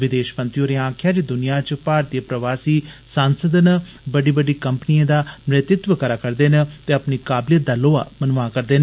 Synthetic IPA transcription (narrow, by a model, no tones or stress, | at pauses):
ʋɪd̪eːʃpə̃nt̪ioːɾeãːkʰjaːd͡ʒed̪ʊnijãːt͡ʃpaːɾt̪ijəpɾəʋaːsiːsaːnsəd̪nə | bəɖiːbəɖiːkəmpniẽːd̪aːmɾɪt̪ɪt̪ʋəkəɾaːkəɾd̪eːnət̪eːəpniːkaːbljət̪̚d̪aːloːa̰ːmənʋãːkəɾd̪eːn